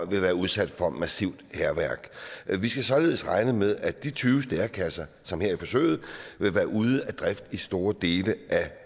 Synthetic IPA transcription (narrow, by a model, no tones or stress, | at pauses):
ʋe̝ʋæːɐuð̞ˠsæd̥fɒ̽mæsiʊ̰d̥heɐʋæɐ̰ɡ̥ʋisɡ̥æsɒ̽le̝ːð̞̩̰ˠəsʁɑ̈ɪnəmeð̞ˠæd̥it͡sʰyːʊsd̥eɐkʰæsɐ | sɒ̽mheɐ̰ifɒ̽sø̰ːɪð̞̩ˠʋe̝ʋæːɐʔuð̞ˠəæd̥ʁɛfd̥isd̥o̝ːɐd̥e̝ːləʔæ